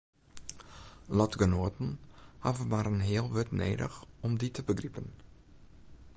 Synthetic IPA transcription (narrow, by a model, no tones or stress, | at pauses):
lɔtɡənoətənhavəmaɾənɦɪəlˠʋʏtnḛːdə̰xɔmditəbəɡripən